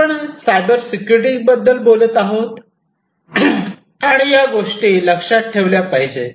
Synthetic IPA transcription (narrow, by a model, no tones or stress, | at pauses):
əɳsajbəɾsikuɾiʈibəd̪ːəlbolət̪aɦot̪ | aɽ̃ijaɡoʂʈiːləkʂat̪̚ʈʰeʋljapəɦid͡ʑe